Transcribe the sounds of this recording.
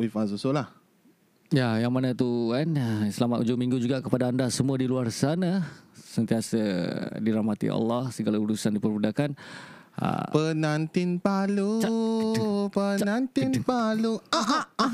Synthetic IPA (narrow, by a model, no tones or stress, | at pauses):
wifazosolah | jajaŋmanat̪uansəlamat̪ud͡ʒʊmĩŋɡud͡ʒuɡakəpadaːndasəmuədiluarsanasənt̪iasədiɾahmat̪ḭa̰lːɑhsəɡalauɾusandipərbudakan | a̰pənant̪inpalu | pənant̪inpaluaaa